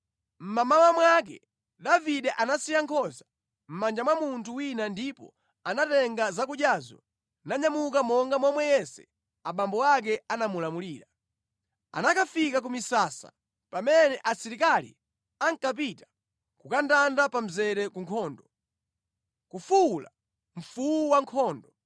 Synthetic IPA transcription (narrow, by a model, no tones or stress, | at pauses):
m̩mamawamwak̬ɛ̰ | ɗaviɗɛʔanasijaŋkʰɔza | m̩mand͡ʒamwamuntʰuwinandipɔ̰ | anatɛŋɡazak̬uʄjazɔ̰ | naɲamukamɔŋɡamwamwɛjɛsɛ̰ | aɓambɔak̬ɛanamulamuliːɾa | a̰nakafikak̬umisaːsa̰ | pamɛnɛʔasiɾikalḭ | aŋkap̬ita | kukandandapam̩zɛɾɛkuŋkʰɔːndɔ | kufuula̰ | m̩fuuwaŋkʰɔːndɔ